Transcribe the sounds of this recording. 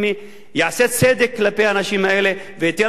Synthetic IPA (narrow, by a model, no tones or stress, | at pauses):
mi | jaset͡ssed̪ekʰiləpeanaɕiːmɛɭleʋet̪jə